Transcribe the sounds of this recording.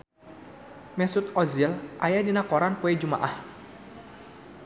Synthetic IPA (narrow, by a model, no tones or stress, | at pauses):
mɛsut̪ɔzilʔajadinakɔɾanpuɛd͡ʒuma̰ʔah